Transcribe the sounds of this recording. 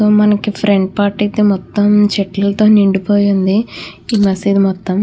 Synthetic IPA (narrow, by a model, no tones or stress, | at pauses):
soːmɐnɐkipʰɾeɳɖpaːɾʈɐt̪emɔt̪ːɐmt͡ʃeʈlɐlɐt̪o̞ːniɳɖipoːjund̪iiːmɐsid̪imɔt̪ːɐm